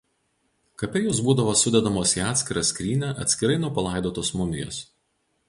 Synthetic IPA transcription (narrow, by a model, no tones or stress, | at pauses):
kɐpʲɛjoːsbuːd̪ɐʋoːsʊd̪ʲɛd̪ɐmoːsiːɑːt̪ʲsʲkʲɪɾɐsʲkɾʲiːnʲɛʔɐ̰t̪sʲkʲɪɾɐɪnʊpɐlˠɑˑɪd̪oːt̪oːsmʊmʲɪjo̰ːs